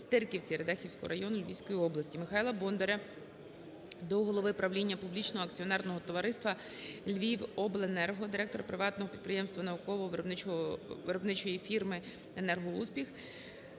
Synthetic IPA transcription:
st̪ɪrkʲiwt͡sʲiɾed̪ɛxʲiwsʲkɔ̰ɦɔ̰ɾɐjɔnʊlʲʋʲḭjsʲkɔjiɔblˠɐsʲtʲimɪxɑjlˠɐbɔnd̪eɾɐ | d̪ɔɦɔlˠɔʋɪpɾɐʋlʲinʲːɐpublʲit͡ʃnɔɦɔɐk̚t͡sʲiɔnɛrnɔɦɔt̪ɔʋɐɾɪst̪ʋɐ | lʲʋʲiwɔblˠenɛrɦɔd̪ɪɾɛk̚t̪ɔɾɐpɾɪʋɑt̪nɔɦɔpʲid̪̚pɾɪjɛmst̪ʋɐnɐʊkɔʋɔɦɔʋɾɔbnɪɔʋɪɾɔbnɪt͡ʃɔjifʲirmɪ | enɛrɦɔuspʲix

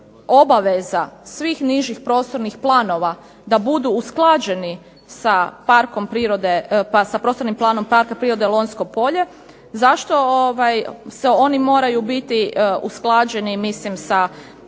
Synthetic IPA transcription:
o̞baʋezasʋiːxniʒixpɾo̞ːst̪o̞ɾnixplˠaːno̞ʋa | d̪abud̪uːsklˠad͡ʒe̞ni | sapaɾkompɾiɾod̪epasapɾost̪oɾnimplˠaːno̞mpaɾkapɾiɾod̪elˠo̞nsko̞po̞ʎe̞ | zaʃt̪o̞oʋajseo̞nimo̞ːɾajubit̪iṵsklˠad͡ʑe̞nimislimsa

